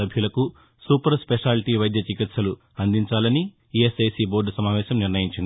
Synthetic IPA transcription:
ɐbʱjulɐku | suːpɐɾspeʂaːlʈiːʋɐjd̪jɐt͡ʃikit̪sɐlu | ɐnd̪iɲt͡ʃaːlɐni | ieseːsiːboːɾɖɐsɐmaːʋɛːʃɐmniɾnɐjiɲt͡ʃind̪i

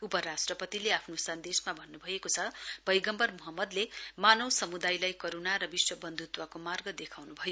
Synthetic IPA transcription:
upʌɾasʈrʌpʌt̪ileapʰnosʌnd̪esmabʱʌnːubʱʌjekot͡sʰʌb̥ʌjɡʌmbʌrmuɦʌmːʌd̪lemanʌwsʌmud̪ajlajkoɾonaɾʌbiswʌbʌnd̪ʱut̪wakomarɡʌd̪ekʰawnubʱʌjo

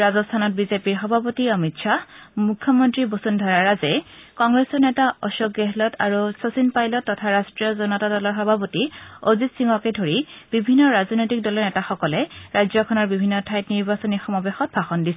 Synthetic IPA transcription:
ɹazɔstʰanɔt̚bizepiɹxɔbʱapotiɔmitʃamukʰjɔmɔntɹibosundʱɔɹaɹazɛkɔŋɡɹesɔɹnɛtaɔʃɔɡeɦɛlɔtʰa̰ɹusosinpajlɔtːɔtʰaɹastɹiɔzɔnɔtadɔlɔɹxɔbʱapotiozitsiŋɔkedʱoɹib̥ibʱinːɔɹaznojtik̚dɔlɔɹnɛtaxɔkɔlɛɹajzɔkʰɔnɔɹbibʱinːɔtʰajtniɹbasɔnixɔmabexɔt̚bʱaxɔndisɛ

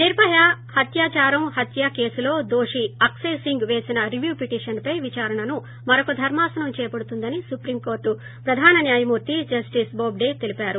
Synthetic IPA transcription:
niɾpɐjahɐt̪jaːt͡ʃaːɾɐmhɐt̪jaːke̞ːsulo̞ːd̪oːʂiɐksesiŋɡʋeːsinɐɾiʋjuːpiʈiːʂɐnpɐjʋit͡ʃaːɾɐɳɐnu | mɐɾɐkud̪ʱɐɾmaːsɐnɐmt͡ʃɛːjɐpɐɽut̪und̪ɐnisupɾiːmko̞ːɾʈːu | pɾɐd̪ʱaːnɐnjaːjɐmuːɾt̪id͡ʒɐsʈisboːbɖeːt̪elipaːɾu

